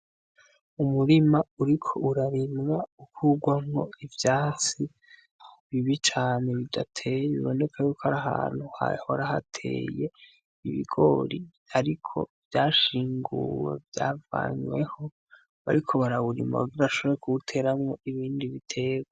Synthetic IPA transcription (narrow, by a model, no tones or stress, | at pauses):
umuɾimauɾikʰo̞ʔuɾaɾimŋaukʰuɡwamŋo̞̰ivjaːt͡si | βiβit͡ʃaːne̞βidatʰe̞jiβo̞̰ne̞kʰajukoaɾaɦa̰ːn̥huha̰hoaɾaha̰tʰe̞̰ːje | iβḭɡo̞̰ːɾi | aɾikʰo̞̰vjaːʃiːŋɡṵwe̞̰vja̰ːva̰ɲwe̞ho̞ | βa̰ɾikʰo̞βaɾaβuɾḭma̰βaɡiɾaaʃo̞βoɾekʰuβutʰe̞ɾamŋo̞iβiːndiβitʰe̞ːɡwa